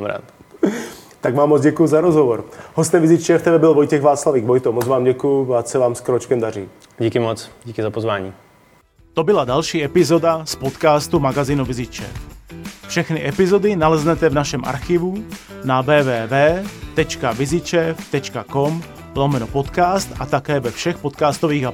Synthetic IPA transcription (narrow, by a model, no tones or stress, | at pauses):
mɾa̰ːt̪ | t̪aɡmaːmːɔd͡zɟɛkujuzaɾɔzɦɔvɔɾɦɔst̪ɛvizit͡ʃɛft̪ɛbɛbɪlvɔjcɛɣvaːt͡slaviːɡvɔjt̪omɔd͡zʋaːmɟɛkujuvaːt̪sɛʋaːmskɾɔt͡ʃkɛmd̪aɾiː | ɟikɪmɔt͡sɟikɪzapozvaːɲḭː | t̪obɪlad̪alʃiːɛpɪzɔd̪aspot̪kaːst̪umaɡaziːnuvizɪt͡ʃɛ̰ffʃɛxniʔɛpɪzod̪ɪnalɛznɛt̪ɛvnaʃɛmʔa̰ɾxivu | navɛːvɛːvɛːt̪ɛt͡ʃkavɪzɪt͡ʃɛft̪ɛt͡ʃkakom | lomɛnɔpɔt̪kaːst̪at̪akɛːvɛfʃɛxpot̪kaːst̪oʋiːɣa